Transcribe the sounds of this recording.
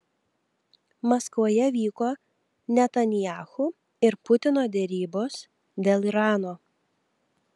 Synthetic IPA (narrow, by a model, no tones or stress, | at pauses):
mɔskʋoːjɛʋʲiːkoː | nʲɛt̪ɐnʲɪjɑːxu | ɪɾpʊt̪ʲɪnoːd̪ʲɛɾʲiːboːs | d̪ʲeːlˠiɾɑːnoː